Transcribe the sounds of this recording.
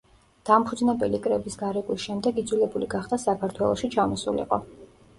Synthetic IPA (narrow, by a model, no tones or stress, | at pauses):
d̪̥ampʰud̪znɛbɛlikʼɾɛbisɡaɾɛkʼwisʃɛmd̪ɛɡid̪zwulɛbuliɡaχd̪asakʰaɾt̪ʰwɛlˠɔʃit͡ʃʰamɔsṵlḭqʼɔ